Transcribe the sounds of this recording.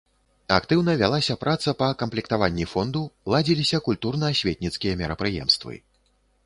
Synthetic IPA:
a̰kt̪ɨwnɐvʲalˠasʲɐpɾʔat̪sɐpɐkɐmplʲik̚t̪avanʲːifɔnd̪ulˠad͡zʲilʲisʲɐkulʲt̪urnɐːsʲvʲet̪ʲnʲit̪skʲijɐmʲɛɾɐpɾɨjɛ̰mst̪vɨ̰

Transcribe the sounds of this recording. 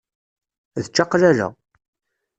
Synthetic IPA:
ðət͡ʃːɑqːlæɾa̰

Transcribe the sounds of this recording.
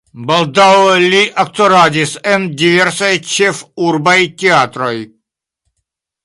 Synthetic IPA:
bald̪awlʲiʔakt̪ɔɾad̪ʲisɛnd̪ivɛɾsajt͡ʃɛfuɾbajt̪ʲeat̪ɾɔj

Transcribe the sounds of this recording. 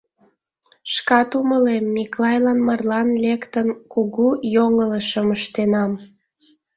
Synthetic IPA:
ʃkɑt̪uməlemːiklɑjlɑnmɑrlɑnlekt̪ənkuɣujoŋələʃəməʃt̪enɑm

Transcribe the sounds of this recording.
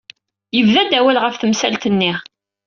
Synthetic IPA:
jəvðæd̪æwælʁəfθəmsælt̪ənːi

